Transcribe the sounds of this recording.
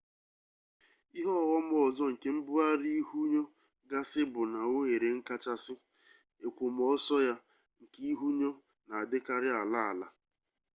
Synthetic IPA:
i˦ɦɔ˦˨ɣɔ˦m˦ɔ˨zɔ˦ŋ̩˨ke˦m̩˦bʊ˦a˦ɾi˦i˦ɦu˦ɲo˦ | ɡa˦sɪ˦bʊ˨na˨o˦ŋe˨ɾe˨ŋ̩˦ka˦t͡ʃa˦sɪ˦ | e˨kʷo˨m˦ɔ˦sɔ˦ja˦ | ŋ̩˨ki˦i˦ɦu˦ɲo˦ | na˨a˨dɪ˦ka˦ɾɪ˦a˨la˦a˨la̰˨

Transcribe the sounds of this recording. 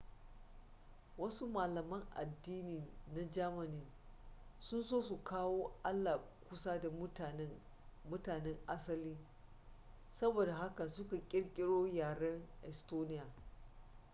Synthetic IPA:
wɐ˦su˦maː˨lɐ˨mɐ˦ŋʔa̰˨dːiː˦ni˨na˨d͡ʒaː˦mɐ˨niː˦n | sʊ˦nsoː˦su˨kʰaː˦woː˦ʔa˦lːa˨kʷʊ˦sa˦da˨˦˨ | mʊ˦taː˨nɛ˦ŋʔa˦sɐ˦liː˦ | sɐ˦boː˨da˨ɦa˦ka˨sʊ˦ka˨kʲʼɪ˦ɽkʲʼɪ˦ɽoː˦jaː˨ɽɐ˦ŋʔɛ˨stoː˦nɪ˦jaː˨

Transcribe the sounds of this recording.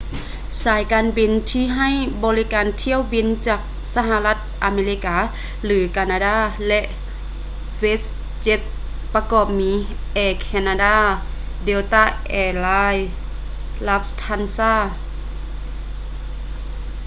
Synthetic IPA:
saː˨˦jkaː˨˧˦nbi˨nt̪ʰiː˧˨ɦa˧˥˩jbɔː˧˦li˦˥kaː˨nt̪ʰi˧˨əwbi˨˧˥nt͡ɕaː˨˩k̚ | sa˧ɦa˧la˧t̪̚ʔaː˧meː˧li˧˥kaː˧˦ | lɯː˨˦kaː˧naː˧daː˧˩˨lɛ˧ʔ | we˦˥ | t͡ɕe˧˥t̪̚ | pa˧kɔː˨˩p̚miː˨˧˦ | ʔɛː˧˩kʰɛ˧naː˧daː˧˥˩ | de˧wt̪aː˧˥˩ʔɛː˧˩laː˧˥j | la˧˥p̚st̪ʰa˧˥˨nsaː˧˥˩

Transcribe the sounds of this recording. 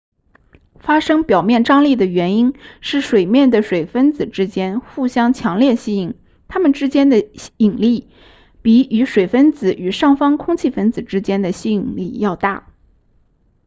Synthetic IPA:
fa˥ʂɤ˥ŋpjɑ˨˩ʊmjɛ˥˩nʈ͡ʂɑ˥ŋli˥˩d̪ə˩ɥɛ˧˥ni˥nʂɻ̩˥˩ʂwe˨˩ɪmjɛ˥˩nd̪ə˩ʂwe˨˩ɪfə˥nt͡sɹ̩˨˩ʈ͡ʂɻ̩˥t͡ɕjɛ˥nxu˥˩ɕjɑ˥ŋt͡ɕʰjɑ˧˥ŋljɛ˥˧ɕi˥i˨˩ŋ | t̪ʰa˥mə˨nʈ͡ʂɻ̩˥t͡ɕjɛ˥nd̪ə˨i˨˩ŋli˥˩ | pi˧˥y˧˥ʂwe˨˩ɪfə˥nt͡sɹ̩˧˩y˨˩ʂɑ˥˩ŋfɑ˥ŋkʰʊ˥ŋt͡ɕʰi˥˩fə˥nd͡zɹ̩˨˩ʈ͡ʂɻ̩˥t͡ɕjɛ˥nd̪ə˨ɕi˥i˨˩ŋli˥˧jɑ˥˧ʊt̪a̰˥˩

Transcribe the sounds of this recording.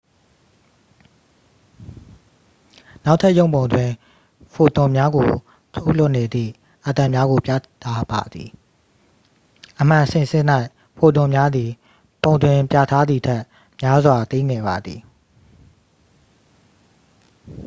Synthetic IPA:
na˦ʊʔtʰːa˦ʔjõ˦ʊ̃bõ˨ʊ̃ndwɪ̃˨ | pʰo˨t̪ʊ̃˨mja˦ɡo˨ | tʰo˦ʊʔl̥ʊ˦ʔne˨d̪ðḭ˦˨ | ʔə˨t̪ã˨mja˦ɡo˨pja̰˦˨t̪ʰa˦ba̰˨d̪ðḭ˨ | ʔəm̥ã˨sɪ̃˨sɪ̃˦˨n̥a˦ɪʔ | pʰo˨tʊ̃˨mja˦d̪i˨ | põ˨ʊ̃ndwɪ̃˨pja̰˦˨tʰa˦d̪ði˨tʰɛ˦ʔ | mja˦zwa˨t̪i˦ŋɛ˨ba˨d̪ði˨

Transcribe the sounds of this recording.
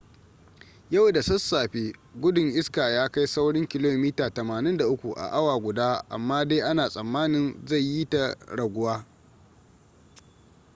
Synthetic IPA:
jɐ˦˨wda˨sɐ˦sːaː˨ɸeː˦ɡʷʊ˦dʊ˨ŋʔɪ˦skaː˨jaː˦ka˦jsa˦wɽɪ˦ŋkʲɪ˨loː˦miː˦taː˨tɐ˨maː˨nɪ˦nda˨ʔʊ˦kʷu˨ʔa̰˨ʔa˦waː˨ɡʷʊ˨daː˦ʔa̰˨mːaː˦de˦ʔa˦naː˨sʼɐ˨mːaː˦nɪ˦nza˦˨jji˦ta˨ɽɐ˨ɡʷʊ˦waː˦

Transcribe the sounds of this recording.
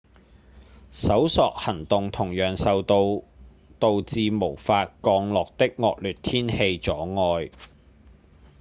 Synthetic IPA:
sɐ˨˥wsɔː˨k̚hɐ˨˩nt̪ʊ˨ŋt̪ʰʊ˨˩ŋjœː˨˩ŋsɐ˨wt̪o˧w | t̪o˨˧wt͡siː˧mo˨˩wfaː˧t̚kɔː˧ŋlɔː˨k̚t̪ɪ˥k̚ŋɔː˨˧k̚lyː˨t̚t̪ʰiː˥nhe˧jt͡sɔː˨˥ŋɔː˧j

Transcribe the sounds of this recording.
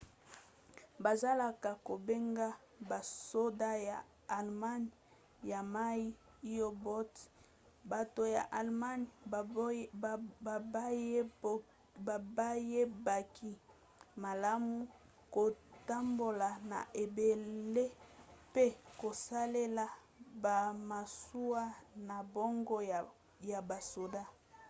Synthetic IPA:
ba˨za˦la˨ka˨ko˨be˦ŋɡa˦ | ba˨so˦da˦ja˨ | a˨lma˦n˨ | ja˨ma˦ji˦ | i˦jo˦bo˦t | ba˨to˨ja̰˨ʔa˨lma˦n˨ | ba˦ | a˨ba˦je˦ba˨ki˨ | ma˨la˦mu˦ | ko˨ta˦mbo˨la˨na̰˨ʔe˨be˨le˦pe˦ko˨sa˦le˦la˨ | ba˨ma˨su˦a˦na˨bo˦ŋɡo˦˨ | ja˨ba˨so˨da˦

